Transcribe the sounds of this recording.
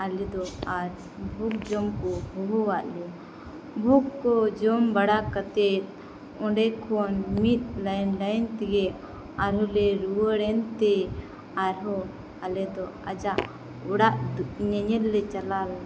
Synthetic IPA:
alɛd̪ɔaɾ | bʱuk̚d͡ʒɔmkɔbɔɦɔwaʔlɛ | bʱukːɔd͡ʒɔmbaɽakat̪ɛt̪̚ | ɔ̃ɖɛkʰɔnmit̪̚ˀlanlajnt̪iɡɛʔ | aɾɦɔlɛɾuəɽɛnt̪ɛ | aɾɦɔ | alɛd̪ɔ | ad͡ʒaʔ | uɽaʔd̪ɲəɲɛllɛt͡ʃalal

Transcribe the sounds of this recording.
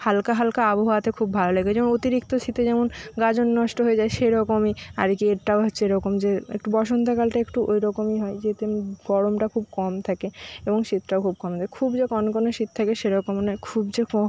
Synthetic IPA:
halkaɦalkaaboɦaat̪ekʰubːʱaloleɡed͡ʑɛmonot̪iɾikt̪osʰit̪ed͡ʑɛmonɡad͡ʑonːɔʃʈoɦoed͡ʑaeʃeɾɔkomia̰ɾekieʈaoɦotːɕʰeɾɔkomd͡ʑeḛk̚ʈubɔʃont̪akalʈaekʈuʔojɾɔkomiɦɔed͡ʑet̪eɡɔɾomʈakʰubkɔmt̪ʰakeeboŋʃit̪ʈakʰub̚kɔmt̪ʰakekʰubd͡ʑekɔnkɔnoʃit̪̚t̪ʰakeʃeɾɔkomnakʰubd͡ʑekɔ

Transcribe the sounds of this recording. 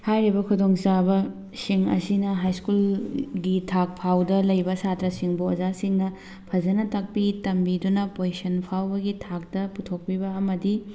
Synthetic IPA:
hajɾibɐkʰudoŋsabɐ | siŋɐ̰sinɐɦajskulɡitʰak̚pʰawdɐlɐjbɐsatɾɐsiŋbuɐzasiŋnɐ | pʰɐd͡ʒɐnɐtɐk̚pitɐmbidunɐpojsɐnpʰawbɐɡitʰak̚dɐputʰok̚pibɐɐmɐdi

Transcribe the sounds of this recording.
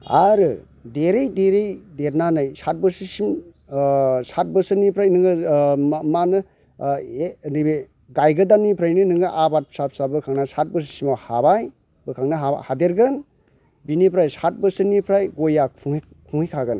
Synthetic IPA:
aɾɯ | deɾejdeɾejdeɾnanɯjsat̚bɯsisim | sat̚bɯsɯnipʰɾajnɯŋɯ | manɯ | enibe | ɡajɡɯdanːipʰɾajnɯnɯŋɯʔabat̚psap̚sabɯkʰaŋnasat̚bɯs̬i̥simahabaj | bɯkʰaŋnaɦahadeɾɡɯn | binipʰɾajsat̚bɯsɯnipʰɾajɡojakʰuŋ | kʰuŋikʰaɡɯn

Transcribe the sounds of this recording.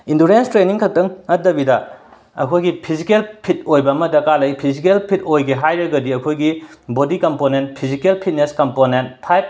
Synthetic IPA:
induɾenstɾeniŋkʰɐk̚tɐŋɐdɐbidɐ | ɐ̰kʰojɡipʰizikelpʰit̚ojbɐːmɐdɐkalɐjpʰizikelpʰit̚ojɡeɦajɾɐɡɐdiɐkʰojɡibodikɐmponentpʰizikelpʰit̚neskɐmponent̚pʰajp̚

